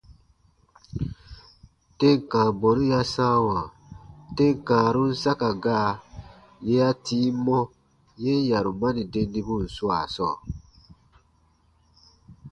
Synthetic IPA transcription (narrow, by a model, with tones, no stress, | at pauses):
te˦ŋ̩˨kãː˨bɔ˨nũ˦ja˦sã˦wã˨ | te˦ŋ˨kãː˨ɾũ˦n̩˦sa˦ka˨ɡaː˦˨ | je˦a˦tiː˦mɔ̃˦ | je˦n˦ja˨ɾu˨mã˦ni˨de˧ndi˦bu˦n̩˨su˦a˨sɔː˦˨